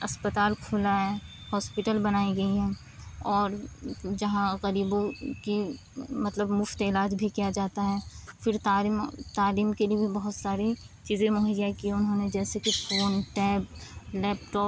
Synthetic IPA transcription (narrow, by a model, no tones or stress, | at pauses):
ɐspət̪aːlkʰʊlaɦɛːhɔːspɪʈəlbɐnaːiɡɐiɦɛ̃ː | ɔːɾd͡ʒɐɦãɣɐɾiːbõki | mɐt̪ləbmʊft̪ɪlaːd͡ʒbʱikijad͡ʒaːt̪aɦɛːfɪɾt̪aːit̪aːliːmkeliebʱibɐɦʊt̪saːɾi | t͡ʃiːzẽmʊɦəjakiʊnɦõned͡ʒɛːsekifoːnʈɛːp̚lɛːpʈɔːp